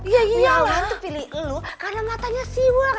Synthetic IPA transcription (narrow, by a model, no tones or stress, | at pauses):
ijaijamant̪upilɪlukarnaŋat̪aɲasiwa